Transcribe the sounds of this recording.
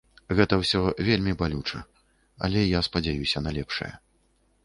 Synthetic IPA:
ɣɛt̪ɐwsʲɔvʲelʲmʲibalʲut͡ʂɐ | ɐ̰lʲɛjaspɐd͡zʲajusʲɐnalʲɛpʂɐ̰jɐ̰

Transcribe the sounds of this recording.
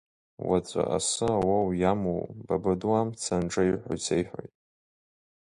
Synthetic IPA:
wat͡sʷʼa̰ʔa̰sɨawawjamowbabaduamt͡sʰanʈ͡ʂʼaiħʷa̰jt͡sʰejħʷᶣo̰jtʼ

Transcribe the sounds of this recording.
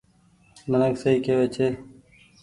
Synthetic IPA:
nənəksəiːkeːʋeːt͡ʃʰeː

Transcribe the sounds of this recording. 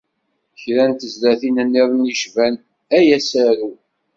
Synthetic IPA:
çɾænt̪əzlæθinənːiðˤniʃvæn | æjæsæɾu

